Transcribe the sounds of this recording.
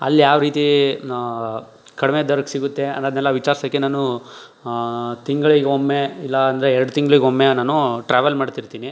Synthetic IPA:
ɐ̰lːjaːʋɾiːt̪i | kɐɽimed̪ɐɾɐksiɡut̪ːe̞ɐ̰nːɐːd̪nɛlːɐʋit͡ʃaːɾsɐkːenaːnu | t̪iŋɡɐɭiɡeomːeilːɐːnd̪ɐɾeɛɾɐɖut̪iŋɡɐɭiɡeomːeanaːnuʈɾaːʋɐlmaːɖt̪iɾt̪iːni

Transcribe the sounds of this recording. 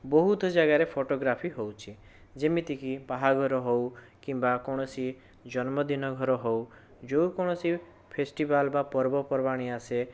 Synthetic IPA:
bɔɦut̪ɔd͡ʒaɡaɾepʰoʈoɡɾapʰiɦowt͡ʃʰid͡ʒemit̪ikipaɦaɡʱɔɾɔɦow | kimbakɔɽ̃ɔsi | d͡ʒɔnmɔd̪inɔɡʱɔɾɔɦow | d͡ʒowkɔɽ̃ɔsi | pʰesʈibalbapɔɾbɔpɔɾbaɽ̃iase

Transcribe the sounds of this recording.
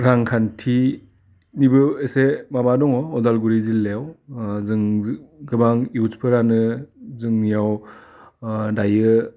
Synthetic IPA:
ɾaŋkʰantʰi | nibɯesemabadɔŋɔɔdalɡuɾizilːejawɯŋɡɯbaŋiutpʰɯɾanɯzɯŋijaw | dajɯ

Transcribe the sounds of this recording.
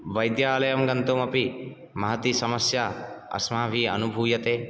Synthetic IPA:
ʋɐjd̪jaːlɐjɐmɡɐnt̪umɐpi | mɐɦɐt̪isɐmɐsjaɐ̰smaːbʱiɐ̰nubʱuːjɐt̪eː

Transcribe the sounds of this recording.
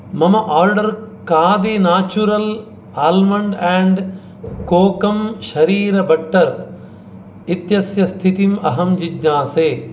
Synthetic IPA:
mɐmɐʔaːɾɖəɾkaːd̪eːnaːt͡ʃuɾɐl | aːlmɐ̃ɳɖɛ̃ːɳɖ | koːkɐmʃɐɾiːɾɐbɐʈːɐɾ | ɪt̪jɐsjɐst̪ʰit̪imɐɦɐmd͡ʑid̪ɲãːseː

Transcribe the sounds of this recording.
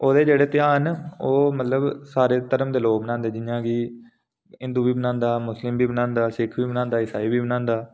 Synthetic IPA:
oːd̪eːd͡ʒeːɽeːt̪ɪjãːɦənoːmət̪ləbsaːɾeːt̪əɾəmd̪eːloːɡbənãːnd̪eːd͡ʒɪjãːɡiː | ɪ̃nd̪uːbiːbənãːnd̪aːmʊslɪmbiːbənãːnd̪aːsɪkʰbiːbənãːnd̪aːɪsaːiːbiːbənãːnd̪aː

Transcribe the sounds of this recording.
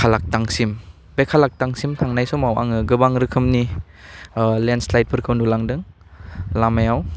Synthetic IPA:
alak̚taŋsim | bekʰalak̚taŋsimtʰaŋnajsɔmawa̰ŋɯɡɯbaŋɾɯkʰɯmni | lenslajt̚pʰɯɾkʰawndulaŋdɯŋ | lamajaw

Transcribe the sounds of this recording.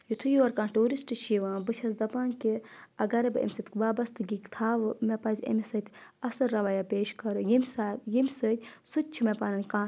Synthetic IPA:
jut̪ʰujuʋɐɾkãːnʈuːɾisʈɨʃiʋãːbɨt͡ʃʰɐs̬d̪ɐpaːnkiɐɡɐɾɐbɨɐ̰mʲsɨt̪kʋaːbɐst̪ɨɡikt̪ʰaːʋɨmepɐnzʲɐ̰mʲisɐt̪ʲɐsɨɾɐʋɐjapeːʃkɐɾɨjimʲsaːjimʲsɨt̪ʲsɨt̪̚ʲt͡ʃʰimɐpaːnɐnʲkãː

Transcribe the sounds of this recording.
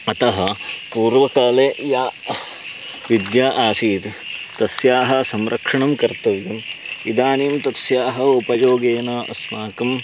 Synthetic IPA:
ɐt̪ɐɦɐpuːɾʋɐkaːleːjaː | ʋid̪jaːʔaːsiːt̪ | t̪ɐsjaːɦɐ̆sɐmɾʔɐkʂɐɳɐmkɐɾt̪ɐʋjɐmid̪aːniːmt̪ɐsjaːɦɐupɐjoːɡeːnɐɐ̰smaːkɐm

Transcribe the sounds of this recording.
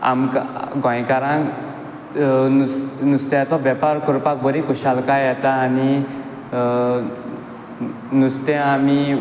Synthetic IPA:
a̰mkaɡʱɔ̃jkaɾãŋ | nusnust̪jat͡sɔʋjɛpaɾkuɾpak̚bəɾikuɕalkajat̪aːni | nust̪ɛ̃ami

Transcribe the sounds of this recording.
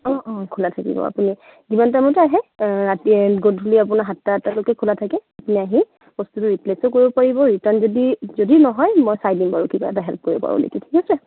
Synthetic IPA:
ɔ̃ʔɔ̃kʰulatʰakḭbɔ̰a̰puni | zimantamɔtɛaɦɛɹatiɡodʱuliap̬ʊnaɦatːatɛlʊkɛkʰulatʰakɛapuniaɦi | b̥ɔstutʊɹiplesɔkoɹibɔpaɹibɔɹitaɹnzodizodinɔɦɔjmojsajdinbaɹukiba̰ɛtaɦɛlp̚ʰkoɹibɔ̰pa̰ɹṵnḛkitʰi̥kɔsɛ

